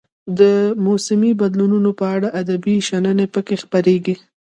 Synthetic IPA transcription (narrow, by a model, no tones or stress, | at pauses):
d̪əmosɪmibad̪lununopəaɽaʔad̪abiʃanənepəkexpaɾeɡi